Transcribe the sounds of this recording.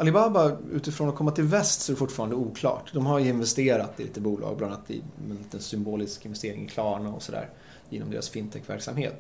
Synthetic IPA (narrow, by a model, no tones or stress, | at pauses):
ʔalɪbaːbaʉ̟ːt̪ɪfɾoːnakʰɔmːat̪ʰɪlvɛst̪sɔæɾɛfʊʈːfɑːɾand̪əuːkʰlɑ̰ːʈd̪ɔmhaɾjɵɪnvɛst̪eːɾat̪ːɪlḭːt̪əbuːlʔɑ̰ːɡ̚bland̪at̪ːɛ̰ɛnlːt̪ənsʏmboːlɪskɪnvɛst̪eːɾɪŋɪkʰlɑːɳaɔ̰sɔd̪æ̰ːɾ | jeːnɔmd̪ḛːɾa̰sfɪnt̪ʰɛkːvæ̰ɾksamheːt̪